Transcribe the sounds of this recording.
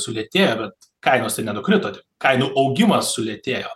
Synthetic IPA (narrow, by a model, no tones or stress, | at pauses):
sʊlʲeɛt̪ʲeːjoːbʲɛt̪ | kɐɪnoːst̪ʲɐɪnʲɛnʊkɾʲɪt̪oːt̪ʲɪpkɐɪnuːʔɐʊɡʲɪmɐsːʊlʲeɛt̪ʲeːjoː